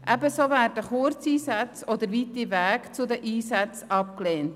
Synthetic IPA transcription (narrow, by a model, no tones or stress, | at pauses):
ʔæbəsovæːɾdəχʊɾt͡siːsat͡sod̪əɾvitivæːkt͡sʊd̪əʔiːsæt͡sɑp̚kleːnt